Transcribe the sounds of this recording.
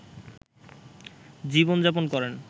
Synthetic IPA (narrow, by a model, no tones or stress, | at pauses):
d͡ʑibond͡ʑap̬onkɔɾen